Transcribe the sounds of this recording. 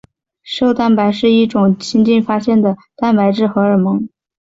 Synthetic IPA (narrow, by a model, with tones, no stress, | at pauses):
ʂo˥˧ʊt̪a˥˩npa˧˥ɪʂɻ̩˥˧i˥˩ʈ͡ʂʊ˨˩ŋt͡ɕʰi˥ŋt͡ɕi˥˩nfa˥ɕjɛ˥˩nd̪ə˩t̪a˥˩npa˧˥ɪʈ͡ʂɻ̩˥˩xɤ˧˥ə˞˨˩mɤ˧˥ŋ